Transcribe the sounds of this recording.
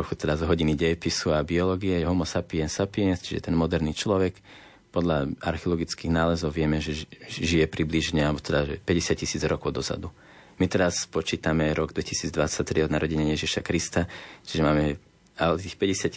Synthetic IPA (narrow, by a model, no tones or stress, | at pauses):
ɾuxut̪ɛd̪azɦɔɟiniɟɛjɛpisuabiɔlɔːɡiɛjɛɦɔmɔsapiɛnsapiɛnst͡ʃiʒɛ̰t̪ɛnmɔd̪ɛɾniːt͡ʃlɔʋɛk | pɔd̪ʎaa̰ɾxɛɔlɔɡit͡skiːɣnaːlɛzɔʊʋɪɛmɛʒɛʒijɛpɾibliʒɲɛalbɔt̪ɛd̪aʒɛpɛɟɛsɪac̚cːisiːd͡zɾɔkɔʊd̪ɔza̰d̪u | mit̪ɛɾaspɔt͡ʃiːt̪amɛɾɔɡd̪ʋɛcisiːd͡zd̪ʋat͡sac̚t̪ɾiɔd̪naɾɔɟɛɲajɛʒiʃakɾist̪at͡ʃiʒɛmaːmɛ | alɛt̪iːxpɛɟɛsɪac